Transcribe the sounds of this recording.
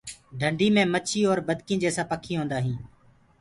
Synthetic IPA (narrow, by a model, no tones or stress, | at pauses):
ɖʱəɳɖʱiːmẽːmət͡ʃʰiːoːɾbəd̪kĩːd͡ʒeːsaːpəkʰːĩːɦõːnd̪aːɦĩː